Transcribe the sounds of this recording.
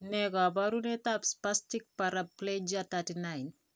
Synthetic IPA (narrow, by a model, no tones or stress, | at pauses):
neɡabaɾunet̪apspastik̚paɾapːled͡ʒat̪atinajn